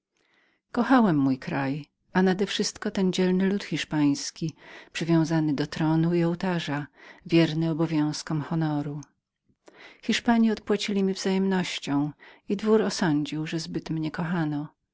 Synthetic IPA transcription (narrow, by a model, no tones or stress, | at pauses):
kɔxawɛmːujkɾaj | anad̪ɛfʂɘst̪kɔt̪ɛnd͡ʑɛlnɘlut̪xʲiʂpaj̃skʲipʂɘvʲjɔ̃w̃zanɘd̪ɔt̪ɾɔnuiɔwt̪aʐavʲjɛɾnɘɔbɔvʲjɔ̃w̃skɔmxɔnɔɾu | xʲiʂpaɲiɔt̪̚pwat͡ɕilʲimʲivzajɛmnɔɕt͡ɕɔ̃w̃id̪vuɾɔsɔɲd͡ʑiwʐɛzbɘt̪mɲɛkɔxanɔ